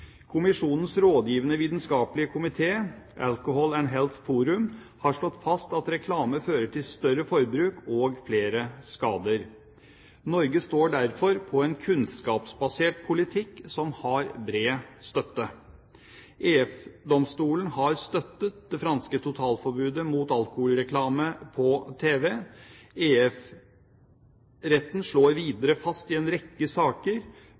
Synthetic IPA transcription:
kʰʊmɪʂuːnən̩sɾoːd̪jiːʋənəʋiːt̪nskɑːplɪəkʰʊmɪt̪ʰeː | ʔɑ̰lkʊhɔlɛnɦɛlt̪fuːɾʉm | hɑʂɭɔt̪ːfɑst̪ɑt̪ɾɛkʰlɑːməføːɾəʈʰɪlst̪œɾəfɔɾbɾʉːkɔɡfleːɾəskɑːd̪əɾ | nɔɾɡəst̪oːɖæɾfɔɾpʰɔɛnkʰʉnskɑːpsbɑseːʈ̚pʰʊlɪt̪ʰɪkːsɔmhɑɾbɾeːst̪œt̪ːə | ʔeːɛfd̪ɔmst̪uːlənhɑɾst̪œt̪ːət̪̚d̪ɛfɾɑnskət̪ʰʊt̪ʰɑːlfɔɾbʉːd̪əmuːt̪ɑlkʊhuːlɾɛkʰlɑːməpʰɔt̪ʰeːʋɛ | eːɛf | ɾɛt̪ːnʂɭoːɾʋiːd̪əɾəfɑst̪ɪɛnɾɛkːəsɑːkəɾ

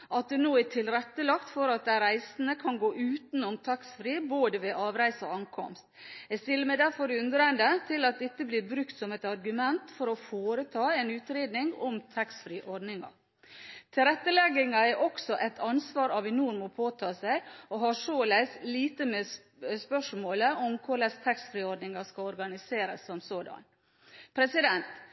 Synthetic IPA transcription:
ʔɑt̪̚d̪ɛnoːæʈʰɪlɾɛt̪ːəlɑkt̪fɔɾɑt̪̚d̪æɾæɪsn̩əkʰɑnɡoːʔʉːt̪n̩ɔmt̪ʰɑksfɾiːboːd̪əʋeːʔɑːʋɾæɪsɔɑŋkʰɔ̰mst̪ɛst̪ɪlːəmæd̪æɾfɔɾʉnd̪ɾənd̪ət̪ʰɪlɑt̪̚d̪ɛt̪ːəbliːɾbɾʉkt̪sɔmɛt̪ɑɾɡʉmɛnt̪fɔɾɔfoːɾət̪ʰɑːɛːnʉːt̪ɾeːd̪nɪŋɔmt̪ʰɛksfɾiːʔɔɾɖnɪŋɑ̰ | t̪ʰɪɾɛt̪ːəlɛɡːɪŋɑæɾʔɔksɔʔɛt̪ʰɑnsʋɑːɾɑʋɪnuːɾmɔpʰoːt̪ʰɑːsæɪɔɦɑʂoːlæɪsliːt̪əme | spœʂmoːləʔɔmkʰʊɾɭɛst̪ʰɑksfɾiːɔɖnɪŋɑskɑlɔɾɡɑnɪseːɾəsːɔmsoːd̪ɑ̰n | pʰɾɛsɪd̪ɛnt̪

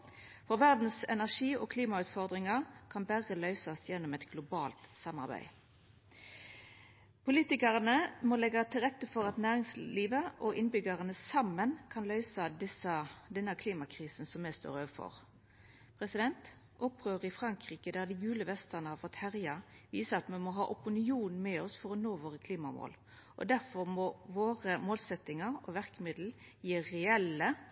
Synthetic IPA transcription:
fɔʁʋæʁd̪n̩sɛ̰næʁʂiːo̰kʰliːmɑʉːt̪fɔʁd̪ʁɪŋɑkʰɑnbæʁəlœʏsɑsjɛnːɔmɛt̪ɡlʊbɑːlt̪sɑmɑ̰ʁbæ̰ɪ | pʰʊliːt̪ɪkɑʁənəmɔlɛɡɑt̪ʰɪlʁɛt̪ːəfɔʁɑt̪næːʁɪŋsliːʋəʔɔʔɪnbʏɡɑʁənəsɑmːənkʰɑnlœʏsɑd̪ɪsɑd̪ɛnːɑkʰliːmɑkʰʁiːsn̩sɔmːɛst̪o̰ːɾøːfɔ̰ʁ | pʰɾɛsɪd̪ɛnt̪ | ʔɔpːʁøːʁɪfɾɑŋkʁiːkəd̪æʁd̪ɪɡʉːləʋɛst̪əʁnəhɑfɔt̪hæʁjɑʋiːsəɑt̪mɛmɔɦɑ̰ːʔʊpʊnɪuːnmɛɔsfɔɾɔnoːʋoːʁəkʰliːmɑmo̰ːl | ʔɔ̰d̪æʁfɔʁmɔʋoːʁəmoːlsɛt̪ːɪŋɑʁɔ̰ʋæʁkmɪd̪l̩jiːɾɛɛlːə

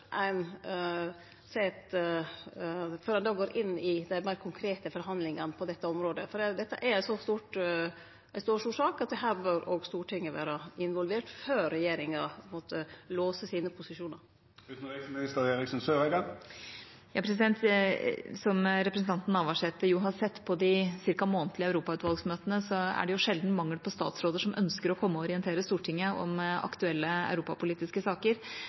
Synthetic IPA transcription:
ʔæɪn | sɛt̪ | føːɾɑnd̪ɑːɡoːɾʔɪnːɪd̪æɪmæɪɾkʰʊŋkʰɾeːt̪əfɔɾɦɑnd̪lɪŋɑnəpʰɔd̪ɛt̪ːəɔmɾoːd̪əfɔɖɛd̪ɛt̪ːə̰ʔæɾsɔst̪uːʈ | ʔæɪst̪uːʂuːʂɑːkɑt̪̚d̪ɛɦæːɾbøɾoːɡst̪uːʈʰɪŋːəʋæ̰ːɾɑɪnʋɔlʋeːʈføːɾɛjeːɾɪŋɑpʰɔmoːt̪əloːsəsiːnəpʰʊsɪʂuːnɑɾ | ʉːt̪n̩ʁesmɪnɪst̪əʁeːʁɪksnsøːʁæɪɡɑŋ | jɑːpʰɾɛs̬ɪd̪ɛnt̪ | sɔmɾɛpɾəsnt̪ʰɑnt̪nɑʋɑʂɛt̪ːəjʊɦɑɾsɛt̪ːpʰɔd̪ɪsɪɾkɑmoːnt̪ʰlɪæʉɾuːpɑʉːt̪ʋɑlɡsmøːt̪ənəsɔæ̰ɖɛjʊʂɛld̪n̩mɑŋːəlpʰɔst̪ɑ̰ːt̪sɾoːd̪əʂɔmʔœ̰nskəɾɔkʰɔmːəɔɾɪənt̪ʰeːɾəst̪uːʈʰɪŋːəɔ̰mɑ̰kt̪ʉɛlːəæ̰ʉɾuːpɑpʊliːt̪ɪskəsɑːkəɾ

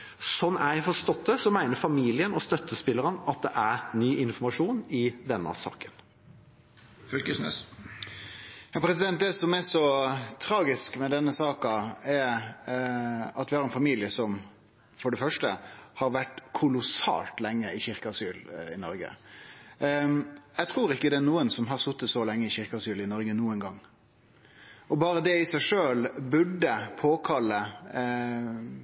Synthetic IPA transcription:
sɔnːæjfɔst̪ɔt̪ʰːəsɔmæɪnəɾfɑmiːlɪənɔst̪œt̪ʰːəspɪlːəɾənɑt̪̚d̪ɛʔæɾnyːʔɪnfɔɾmɑʂuːnɪd̪ɛnːə̰sɑ̰ːkən | fœlkəsnɛ̰s | jɑːpʰɾɛsɪd̪ɛnt̪̚d̪ɛsɔmɛʂɔt̪ʰɾɑːɡɪskmɛd̪ɛnːəsɑːkɑɛ | ɑt̪ʋɪhɑɾɛnfɑmiːlɪəsɔm | fɔɖɛfœʂʈəhɑɾʋæʈkʰʊlʊsɑ̰ːlt̪lɛŋːəɪçɪɾkəɑsyːlɪ̰nɔ̰ɾɡə̰ | jæɡt̪ʰɾuːɾɪkːəd̪ɛːɾnuːənsɔmɦɑɾsʊt̪ːəsɔlɛŋːəɪçɪɾkəɑsyːlɪnɔɾɡənuːənɡɑŋː | ɔbɑːɾəd̪ɛɪsæɪʂøːlbʉɖːəpʰoːkʰɑlːə

